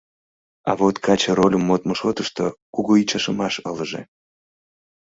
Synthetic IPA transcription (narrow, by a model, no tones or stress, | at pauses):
ɑ̰βot̪kʰɑt͡ɕəɾolʲəmːot̪məʃot̪əʃt̪okuɣoit͡ɕɑʃəmɑʃələʒḛ